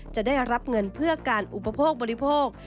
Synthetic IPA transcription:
t͡ɕa˨˩daː˥˩jɾa˦˥p̚ŋɤ˧npʰɯ˥˩ɐkaː˧nʔu˨˩pa˧pʰoː˥˩k̚bɔ˧ɾi˦˥pʰoː˥˩k̚

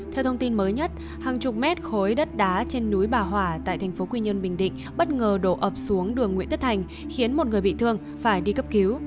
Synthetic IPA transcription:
t̪ʰɛ˧wt̪ʰə˧ŋ͡mt̪i˧nməː˨˦jɲə˦˥t̚ | haː˨˩ŋt͡ɕʊ˨˩p̚mɛ˦˥t̚xo˨˦jɗə˦˥t̚ɗaː˨˦t͡ɕe˧nːu˨˦jɓaː˨˩ɦwaː˧˩t̪a̰ː˧˨jt̪ʰɛ˨˩ŋ̟fo˨˦kwi˧ɲə˧nɓï˨˩ŋ̟ɗḭ̈˧˨ŋ̟ɓə˦˥t̚ŋəː˨˩ɗo̰˧˨ʔəː˨˩p̚su˨˦əŋɗɨ˨˩əŋwḭ˧˨nt̪ʰt̚t̪ʰa˨˩ŋ̟ | xi˨˦ənmo˨˩t̚ŋɨ˨˩əjɓḭ˧˨t̪ʰɨ˧əŋ | faː˧˩jɗi˧kə˦˥p̚ki˨˦w

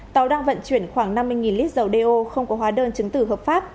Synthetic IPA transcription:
t̪a˨˦wɗaː˧ŋvə̰˧˨nt͡ɕwi˧˩ənxwaː˧˩ŋna˧mːɨ˧jŋi˨˩nli˦˥p̚zə˨˩wɗe˧ʔo˧xə˧wŋ͡mkɔ˨˦ɦwaː˨˦ɗəː˧nt͡ɕɨ˨˦ŋt̪ɨ˧˩ɦəː˨˩p̚faː˦˥p̚

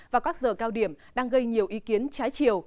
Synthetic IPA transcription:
vaː˨˩kaː˦˥k̚zəː˨˩kaː˧wɗi˧˩əmɗaː˧ŋɣə˧jɲi˨˩əwʔi˨˦ki˨˦ənt͡ɕaː˨˦jt͡ɕi˨əw

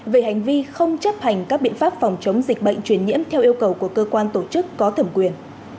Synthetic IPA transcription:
ve˨˩ha˨˩jŋ̟vi˧xə˧wŋ͡mt͡ɕə˦˥p̚ha˨˩jŋ̟kaː˦˥k̚ɓḭ˧˨ənfaː˦˥p̚fɔ˨˩wŋ͡mt͡ɕə˨˦wŋ͡mzï˨˩k̚ɓə̰˧˨jŋ̟t͡ɕwi˧˩ənɲḭ˧˥əmt̪ʰɛ˧wʔi˧əwkə˨˩wku˧˩əkəː˧kwaː˧nt̪o˧˩t͡ɕɨ˦˥kːɔ˨˦t̪ʰə˧˩mkwi˨˩ən

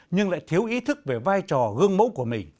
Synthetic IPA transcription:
ɲɨ˧ŋla̰ː˧˥jt̪ʰi˨˦əwʔi˨˦t̪ʰɨ˦˥k̚ve˨˩vaː˧jt͡ɕɔ˨˩ɣɨ˧əŋmo̰˧˥wku˧˩əmï˨˩ŋ̟

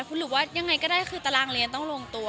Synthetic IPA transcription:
kʰu˧˦lɯː˩˦waː˥˩ja˧ŋːa˧jkɔː˥˩daː˥˩jxʰɯː˧t̪a˧laː˧ŋli˧ənt̪ɔ˥˩ŋlo˧əŋt̪u˧ɐ

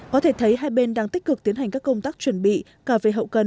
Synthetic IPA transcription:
kɔ˨˦t̪ʰe˧˩t̪ʰə˨˦jɦaː˧jɓe˧nɗaː˧ŋt̪i˦˥k̚kɨ˨˩k̚t̪i˨˦ənha˨˩jŋ̟kaː˦˥kːə˧wŋ͡mt̪aː˦˥k̚t͡ɕwə˧˩nɓḭ˧˨ | kaː˧˩ve˧˩ɦə̰˧˨wkə˧˩n

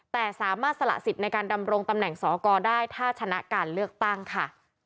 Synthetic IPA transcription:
t̪ɛː˨˩saː˩˦maː˥˩t̪̚sa˧la̰˨˩ʔsi˨˩t̪̚na˧jkaː˧nda˧mɾo˧ŋt̪a˧mnɛ˨˩ŋsɔː˩˦kɔː˧daː˥˩jt̪ʰaː˥˩t͡ɕʰa˧na˦˥kaː˧nlɯ˥˩ək̚t̪a˥˩ŋkʰa˥˩

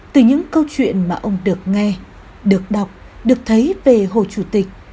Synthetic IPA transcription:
t̪ɨ˨˩ɲɨ̰˧˥ŋkə˧wt͡ɕwḭ˧˨ənmaː˨˩ʔə˧wŋ͡mɗɨ˨˩ək̚ŋɛ˧ | ɗɨ˨˩ək̚ɗa˨˩wk͡p̚ | ɗɨ˨˩ək̚t̪ʰə˨˦jve˨˩ɦo̰˧˨t͡ɕu˧˩t̪ï˨˩k̟̚

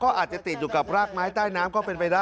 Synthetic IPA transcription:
kɔː˥˩ʔaː˨˩t̪̚t͡ɕa˨˩t̪i˨˩t̪̚juː˨˩ka˨˩p̚ɾaː˥˩k̚maː˦˥jt̪aː˥˩jnaː˦˥mkɔː˥˩pe˧npa˧jdaː˥˩

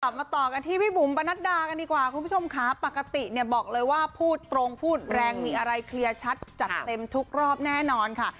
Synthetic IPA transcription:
ka˨˩p̚maː˧t̪ɔː˨˩ka˧nt̪ʰiː˥˩piː˥˩bu˨˩˦mpa˧na˦˥t̪̚daː˧ka˧ndiː˨˩kwaː˨˩kʰu˧npʰo˧mkʰaː˨˩˦pa˨˩kːa˧t̪i˨˩ʔni˥˩əbɔː˨˩k̚lɤː˧jwaː˥˩pʰuː˥˩t̪ːɾo˧ŋpʰuː˥˩t̪̚ɾɛː˧ŋmiː˧ʔa˧ɾa˧jkʰli˧ɐt͡ɕʰa˦˥t̪̚t͡ɕa˨˩t̪ːe˧mt̪ʰu˦˥k̚ɾɔː˥˩p̚nɛː˥˩nɔː˧nkʰa˥˩

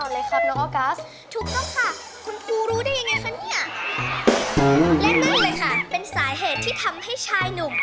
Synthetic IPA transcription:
ɔ˧˩lɛ˨˦kʰa˥˩nɔ˧˦˧kaː˦˥s | t̪ʰu˨˩k̚t̪ɔ˥˩ŋkʰa˥˩ | kʰu˧nkʰuː˧ɾuː˦˥da˥˩ja˧ŋːa˧jkʰa˦˥ni˥˩ɐ˧ | lɛ˦˥˩k̚niː˦˥ləː˧jkʰa˥˩pe˧nsaː˩˦ɦeː˨˩t̪ʰːiː˥˩t̪ʰa˧mha˥˩jt͡ɕʰaː˧jnu˨˩ŋ

